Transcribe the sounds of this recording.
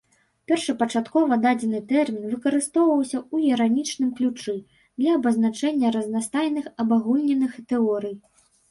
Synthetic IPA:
pʲɛrʂɨpɐt͡ʂat̪kɔvɐd̪ad͡zʲɛnɨt̪ɛrmʲinvɨkɐɾɨst̪ɔwvɐwsʲɐuiɾanʲit͡ʂnɨmklʲut͡ʂɨ | d̪lʲɐɐbɐznat͡ʂɛnʲːɐɾɐznast̪ajnɨxɐbaɣulʲnʲɛnɨxt̪ɛɔɾɨj

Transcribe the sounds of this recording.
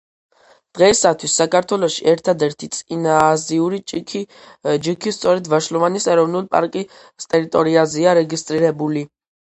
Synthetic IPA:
d̪̥ʁɛisat̪ʰwisːakʰaɾt̪ʰwɛlɔʃḭʔɛɾt̪ʰad̪ɛɾt̪ʰit̪sʼinaːziuɾi | d͡ʒikʰist̪sʼɔɾɛd̪vaʃlɔvanisɛɾɔvnulˠpʼa̰ɾkʼi | st̪ʼɛɾit̪ʼɔɾiazɛaɾɛɡist̪ʼɾiɾɛbuli

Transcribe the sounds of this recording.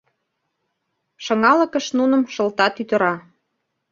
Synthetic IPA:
ʃɤ̆ŋɑlə̆kə̆ʃnunəmʃə̆lt̪ɑt̪yt̪ə̆ɾɑ

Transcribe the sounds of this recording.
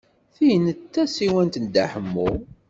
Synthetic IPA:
θijnət̪ːæsiwænt̪ənd̪aħəmːu

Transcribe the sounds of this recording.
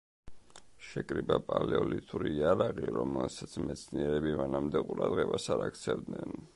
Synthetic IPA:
ʃɛkʼɾibapʼalɛɔlit̪ʼuɾiːaɾaʁiɾɔmɛlsat̪sʰmɛt̪sʰniɛɾɛbimanamd̪ɛqʼuɾad̪ʁɛbasaɾakʰt̪sʰɛvd̪nɛn

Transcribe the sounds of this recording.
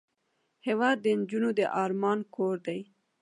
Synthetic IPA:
hewɑd̪ːənd͡ʒunod̪əʔɑɾmɑnkʰoɾd̪aj

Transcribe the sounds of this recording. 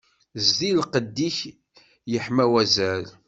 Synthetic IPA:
zðilqəd̪ːiç | jəħmæwæzæl

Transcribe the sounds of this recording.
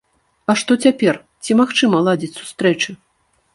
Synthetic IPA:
ɐʂt̪ɔt͡sʲapʲɛr | t͡sʲimaxt͡ʂɨmɐlˠad͡zʲit͡sʲsu̥st̪ɾɛt͡ʂɨ

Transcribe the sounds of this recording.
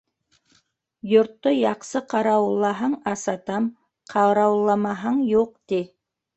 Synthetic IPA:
jʊɾt̪ːojɑqsəqʰɑɾɑwlˠːɑɦɑɴɑsɑt̪ɑm | qʰɑɾɑwlˠːɑmɑɦɑɴjoq̚d̪̥e

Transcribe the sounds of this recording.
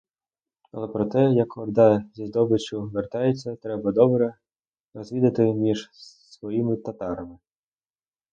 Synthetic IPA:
ɐ̰lˠɛpɾɔt̪ɛjɐkɔd̪ɑzʲizd̪ɔbɪt͡ʃʊʋert̪ɑjet͡sʲːɐt̪ɾɛbɐd̪ɔbɾɛ | rɔzʲʋʲid̪ɐt̪ɪmʲiʒ̥ | sʋɔjimɪt̪ɐt̪ɑɾɐmɪ

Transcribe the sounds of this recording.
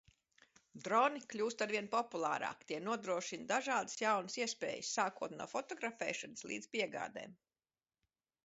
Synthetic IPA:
d̪ɾɔniklʲuːst̪aɾvʲiɛnpɔpulˠa̰ːɾa̰ːkt̪ʲiɛnuɔd̪ɾuɔʃind̪aʒaːd̪ɨ̥sjawnəsiɛspḛːjə̰sːaːkuɔt̪nṵːfɔt̪ɔɡɾafɛ̰ːʃanslˠḭːd̪z̥piɛɡa̰ːd̪ḛːm

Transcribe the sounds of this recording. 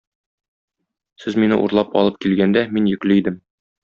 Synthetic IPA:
sɘzminɘ̰ʔṵɾlˠɑpɒ̰lˠɤp̚kilɡænd̪æminjɵ̆klɘid̪ɘm

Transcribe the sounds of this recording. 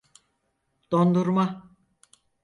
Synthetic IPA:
d̪̥o̞nd̪uɾma

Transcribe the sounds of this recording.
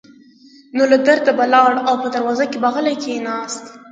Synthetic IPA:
nolad̪əɾt̪abalɑɽawpəd̪əɾwɑzakebaɣalajkʰenɑst̪

